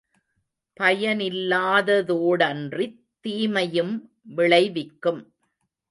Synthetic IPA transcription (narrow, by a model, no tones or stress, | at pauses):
pɐjɐnɪlːaːðɐðoːɽɐndrit̪ːiːmɐjɯm | ʋɪɭɐɪʋɪkːɯm